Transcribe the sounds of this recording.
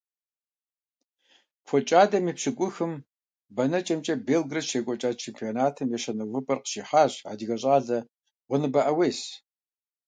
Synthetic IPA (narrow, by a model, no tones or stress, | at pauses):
fʷʰɔt͡ʃʼaːdɐmiːpɕɨkʷʼʊxɨm | bɐnɐt͡ʃʼɐmt͡ʃʼɐbeːlɡrɐʃeːkʷʼɔt͡ʃʼaːt͡ʃʰempʰionaːtʰɨmjɛɕɐnɨwɨpʼɐrqə̥ʃiːħaːɕʕa̰diɣɐɕʼaːɮɐ | ʁʷʊnɨbɐʔɐweːs